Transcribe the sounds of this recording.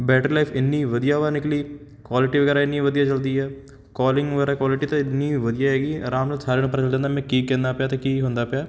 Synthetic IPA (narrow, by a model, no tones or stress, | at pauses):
bɛːʈəɾlaɪfʰɪnːiʋɐd̪ijaʋanɪkliː | kwaːlɪʈiʋɐɡɛːɾaɪnːiʋɐd̪ijat͡ʃɐld̪iɦɛː | kaːlɪ̃ŋɡʋɐɡɛːɾakwaːlɪʈit̪oɪnnːiʋɐd̪ijaɦɛːɡiːɾaːmnəsaːɾenũːpːəɾt͡ʃəld̪ẽːnd̪amɛ̃kiːkɛ̃ːnd̪apjaːt̪ekiːɦõːnd̪apjaː